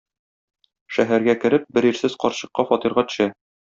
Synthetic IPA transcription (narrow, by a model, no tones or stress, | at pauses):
ʃæɦæɾɡækɘ̆ɾɘp̚bɘɾiɾsɘz̥qɒɾɕɤ̆qːɑfɒt̪iɾʁɑt̪ɵ̥̆ɕæ